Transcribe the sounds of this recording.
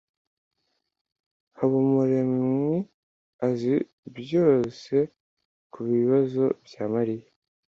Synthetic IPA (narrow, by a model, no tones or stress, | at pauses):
haβumuɾemwi | azi | bjo̞ːse̞ | kuβiβazo̞bjaːmaɾija